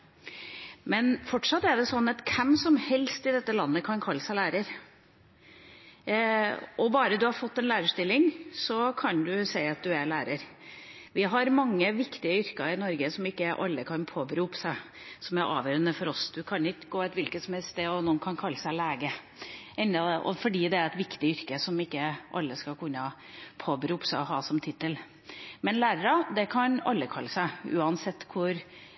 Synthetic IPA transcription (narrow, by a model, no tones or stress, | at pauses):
mɛnfɔʈʂɑt̪ːæɖɛsɔnːɑt̪kʰɛmsɔmhɛlst̪ɪd̪ɛt̪ːəlɑnːəkʰɑnkʰɑlːəsæɪlæːɾəɾ | ɔbɑːɾəd̪ʉhɑɾfɔt̪ːɛnlæːɾəʂt̪ɪlːɪŋsɔkʰɑnd̪ʉsæɪɑt̪̚d̪ʉæɭæːɾəɾ | ʋɪɦɑɾmɑŋːəʋɪkt̪ɪəʏɾkɑɪnɔɾɡəsɔmɪkːəæɾʔɑ̰lːəkʰɑnpʰoːbəɾuːpːə̥sæɪ | sɔmæɾʔɑ̰ːʋjøːɾənəfɔɾɔsd̪ʉkʰɑnɪkːəɡoːɛt̪ʋɪlkət̪sɔmɛst̪eːɔnuːənkʰɑnkʰɑlːəsæɪleːɡə | ʔɛnd̪ɑd̪ɛʔɔ̰fɔɖiːd̪ɛæɾɛt̪ʋɪkt̪ɪʏɾkəsɔmɪkːəʔɑlːəskɑkʉnːə | pʰoːbəɾuːpsæɪɔɦɑːsɔmt̪ʰɪt̪ːəl | mɛnlæːɾəɾɑd̪ɛkʰɑnɑ̰lːəkʰɑlːəsæɪʉ̰ːɑnsɛt̪ːkʰʊɾ